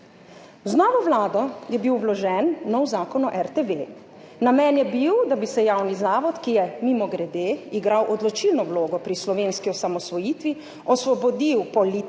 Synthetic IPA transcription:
znɔʋɔʋlaːd̪ɔjɛbiwʋlɔʒɛnːɔwzaːkɔnɔʔɛɾt̪eʋe | namɛnjɛbiwd̪abisɛjaːwnizaːʋɔt̪kijɛmimɔɡɾɛd̪eːiɡɾawʔɔd̪lɔt͡ʃilnɔwloːɡɔpɾislɔʋeːnskiɔsamɔsʋɔjiːt̪ʋi | ɔsʋɔbɔd̪iwpɔli

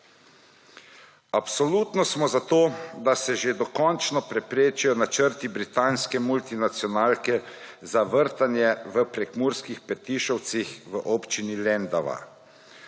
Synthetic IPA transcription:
apsɔlut̪nɔsmɔzat̪oːd̪asɛʒed̪ɔkɔnt͡ʃnɔpɾɛpɾeːt͡ʃijɔnat͡ʃəɾt̪ibɾit̪aːnskɛmult̪inat̪sjɔnaːlkɛ | zaʋəɾt̪anjɛʋəpɾɛkmuːɾskixpɛt̪iːʃɔwt̪sixʋəʔoːpt͡ʃinilɛnd̪aʋa̰

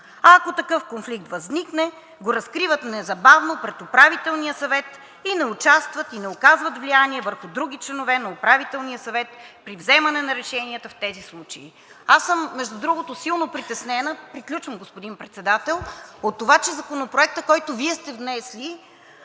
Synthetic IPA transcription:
akot̪ɐkɤfkonflik̚t̪vɐzniknɛ | ɡoɾɐskɾivət̪nɛzɐbavnopɾɛt̪opɾavit̪ɛlˠniəsɐvɛt̪ | inɛʊt͡ʃast̪vət̪inɛokazvət̪vlianiɛvəɾxʊd̪ɾuɡ̟it͡ʃlɛnovɛnɐopɾavit̪ɛlˠniəsɐvɛt̪̚pɾivzɛmɐnɛnɐɾɛʃɛniət̪əft̪ɛzislˠut͡ʃɐḭ | asɤmːɛʒd̪ud̪ɾuɡot̪osilˠnopɾit̪ɛsnɛnəpɾiklʲut͡ʃvəmɡospod̪inpɾɛt̪sɛd̪at̪ɛlˠot̪ːovat͡ʃɛzɐkonopɾoɛk̚t̪əkɔjt̪oviɛst̪ɛvnɛslʲi

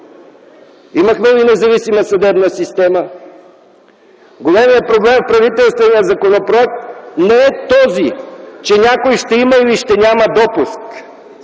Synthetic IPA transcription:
iməxmɛvinɛzɐvisiməsɐd̪ɛbnəsist̪ɛmə | ɡolʲɛmijəpɾoblɛmfpɾɐvit̪ɛlˠst̪vɛnijəzɐkonopɾoɛk̚t̪nɛɛt̪ɔzit͡ʃɛnʲakojʃt̪ɛimɐiliʃt̪ɛnʲaməd̪ɔpusk

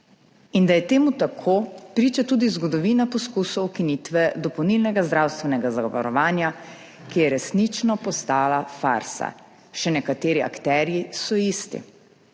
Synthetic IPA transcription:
ind̪ajɛt̪eːmut̪akʰopɾiːt͡ʃat̪uːd̪izɡɔd̪ɔʋiːnapɔskusɔwkinit̪ʋɛd̪ɔpɔwnilnɛɡazd̪ɾawst̪ʋɛnɛɡazaɡɔʋa̰ɾɔʋaːnja | kijɛɾɛsnit͡ʃnɔpɔst̪aːlafa̰ɾsa̰ | ʃɛnɛkat̪eːɾia̰kt̪ɛːɾjisɔist̪ḭ

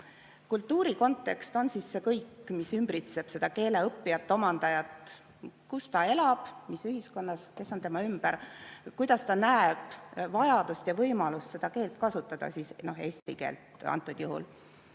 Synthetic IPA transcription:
kult̪ˑːuːɾiko̞nt̪ˑːe̞kst̪o̞nsisːe̞kɤjkːmisymbɾit̪se̞b̥se̞d̪̥ɑke̞ːle̞ɤpˑːijɑt̪ːˑo̞mɑnd̪̥ɑjɑt̪ | kust̪ɑe̞lɑb̥misyɦisko̞nːɑske̞sːo̞nt̪e̞mɑymb̥æɾkujd̪̥ɑst̪ɑnæeb̥vɑjɑd̪ust̪jɑvɤjmɑlust̪se̞d̪̥ɑke̞ːlt̪kɑsut̪ːˑɑd̪̥ɑ̰siːsno̞ɦe̞ːst̪ikḛːlt̪ɑ̰nt̪ːˑud̪̥juɦṵl

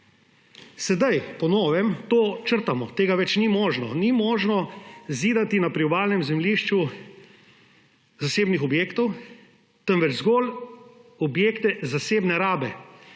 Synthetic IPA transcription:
sɛd̪ajpɔnɔːʋɛmt̪oːt͡ʃəɾt̪amɔt̪eːɡaʋɛt͡ʃnimɔːʒnɔnimɔːʒnɔziːd̪at̪inapɾiɔbaːlnɛmzɛmliʃt͡ʃu | zaseːbnixɔbjeːkt̪ɔw | t̪ənʋɛd͡ʒzɡɔːl | ɔbjeːkt̪ɛzaseːbnɛɾaːbɛ

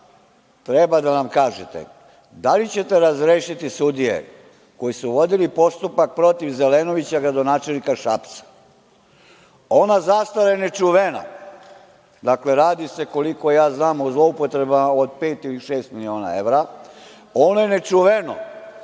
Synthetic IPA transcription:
t̪ɾebad̪anamkaːʒet̪ḛ | d̪alit͡ɕe̞t̪e̞ɾazɾeːʃit̪isud̪ijḛ | ko̞jisuʋo̞d̪ilipo̞st̪upak̚pɾo̞t̪iʋzeleno̞ʋit͡ɕaɡɾad̪o̞naːt͡ʃe̞lnikaʃapt̪sḁ | o̞nazast̪alajene̞t͡ʂuʋena̰ | d̪akle̞ɾaːd̪ise̞ko̞liko̞jaːznaːmuzlˠo̞upo̞t̪ɾe̞bamao̞d̪̚peːt̪iliʃeːst̪milio̞ːna̰e̞ʋɾa | onojene̞t͡ʂuʋeno̰

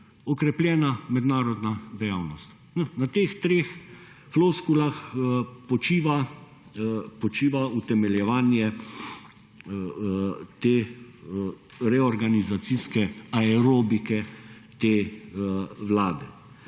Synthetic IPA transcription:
ɔkɾɛpljɛːnamɛd̪naːɾɔd̪nad̪ɛjawnɔst̪ | nɔnat̪eːxt̪ɾeːx | floːskulaxpɔt͡ʃiːʋa | pɔt͡ʃiːʋaut̪ɛmɛljɛʋaːnjɛ | t̪eː | ɾɛɔɾɡanizat̪siskɛaɛɾoːbikɛt̪eː | ʋlaːd̪ɛ

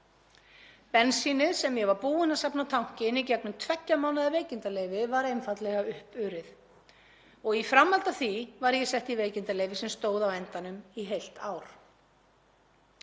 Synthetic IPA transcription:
pɛnsinɪðsɛmjɛvaɾpuːɪnasapnat̪ʰawŋ̥cɪnːicɛknʏmt̪ʰvɛcːamawnaðaveːjcɪnt̪aleːjvɪvaɾejnfat̪lɛɣaʏhpʏɾɪθ | ɔɣifɾamːalt̪aθvivaɾjɛsɛht̪iveːjcɪnt̪alejvɪsɛmst̪oːwðavɛnt̪anʏmiɦejl̥t̪aːwɾ̥

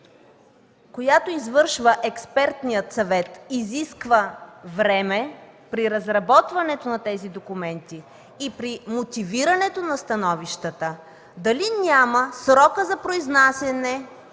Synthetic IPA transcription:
kojat̪oizvɤɾʃvəʔɛkspɛɾt̪nijət̪sɐvɛt̪iziskvəvɾɛmɛpɾiɾɐzɾɐbɔt̪vɐnɛt̪onɐt̪ɛzid̪okʊmɛnt̪i | ipɾimot̪iviɾɐnɛt̪onɐst̪ɐnɔviʃt̪ət̪ə | d̪ɐlinʲaməsɾɔkəzɐpɾoiznasɛnɛ

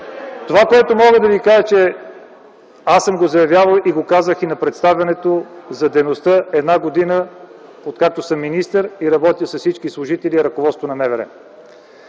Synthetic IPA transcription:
t̪ovakoɛt̪omɔɡəd̪ɐvikaʒət͡ʃɛ | asəmɡozɐjɐvʲjavəlˠiɡokazəxinɐpɾɛt̪st̪avʲɐnɛt̪ozɐd̪ɛjnost̪əɛd̪naɡod̪inə | ot̪̚kak̚t̪osəmːinist̪əɾiɾɐbɔt̪isɐsit͡ʃkislˠʊʒit̪ɛliɛɾɐkovɔt̪st̪vonɐmɛvɛɾɛ̰

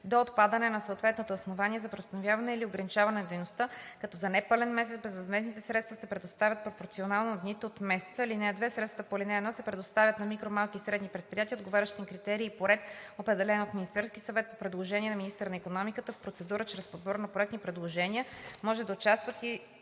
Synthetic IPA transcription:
d̪oːt̪pad̪ənɛnɐsoːt̪vɛt̪not̪əosnovanʲiɛzɐpɾɛdost̪ɐnovʲjavɐnɛilioɡɾɐnit͡ʃavɐnɛnd̪ɛjnost̪əkɐt̪ɔzɐnɛpəlɛnmɛs̬ɛt̪bɛzvɐzmɛznit̪ɛsɾɛt̪st̪vəsɛpɾɛd̪ost̪avʲət̪̚pɾopoɾt̪sionalˠnod̪nit̪ɛot̪mɛsɛ̥t̪səilinɛd̪vɛtsɾɛt̪st̪vɐpolinɛːd̪nɔsɛpɾɛd̪ost̪avʲət̪nɐmikɾomalˠkisɾɛd̪nipɾɛt̪̚pɾijat̪iəod̪ɡovaɾʲəʃt̪iimkɾit̪ɛɾiːpoɾɛt̪opɾɛd̪ɛlɛnot̪minist̪ɛɾskisɐvɛt̪̚popɾɛd̪lˠoʒɛniɛnɐminist̪əɾnɐikonɔmikət̪əfpɾot̪sɛd̪uɾət͡ʃɾɛspod̪bɔɾnɐpɾoɛk̪̚t̪nipɾɛd̪lˠoʒɛnʲiəmɔʒɛd̪ɐot͡ʃast̪vət̪i

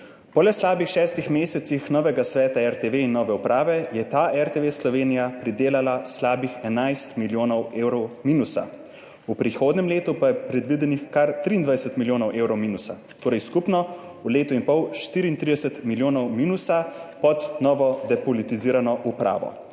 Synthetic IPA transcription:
pɔlɛslaːbixʃɛːst̪ixmeːsɛt̪sixnɔːʋɛɡasʋɛːt̪aɛɾt̪eʋeinːɔːʋɛupɾaːʋɛjɛt̪aʔɛɾt̪eʋeːslɔʋeːnijapɾid̪eːlalaslaːbixɛnajst̪miljoːnɔweːwɾɔwmiːnusa̰ | upɾixoːd̪nʲɛmleːt̪upajɛpɾɛd̪ʋid̪ɛnixkaɾt̪ɾiːnd̪ʋajɛsɛt̪miljoːnɔwʔeːwɾɔwmiːnusa | t̪oːɾɛjskupnɔ | uleːt̪uinpɔwʃt̪iːɾiːnt̪ɾid̪ɛsɛt̪miljoːnɔwmiːnusapɔd̪nɔːʋɔd̪ɛpɔlit̪iziːɾanɔʔupɾa̰ːʋɔ̰

